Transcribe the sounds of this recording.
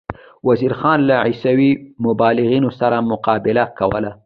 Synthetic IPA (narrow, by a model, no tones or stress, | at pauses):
waziɾxɑnlaʕisawimʊbɑlɪɣinosaɾamʊqɑbɪlakawə̰la